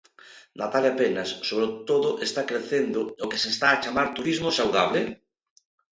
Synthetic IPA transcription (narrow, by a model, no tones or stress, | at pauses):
nat̪aljapenasːoβɾot̪oðʊʔest̪akɾeθend̪ʊokesest̪aːt͡ʃamaɾt̪uɾizmʊsawðaβle